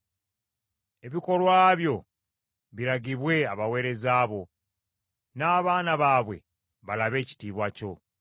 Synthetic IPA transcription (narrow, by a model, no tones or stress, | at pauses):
e̞βiko̞lwaːβjo̞ | βiɾaɡiβwe̞aβawe̞ːɾe̞zaːβo̞ | naːβaːnaβaːβwe̞̰ | βalaβe̞ːci̥tiːβwaco̞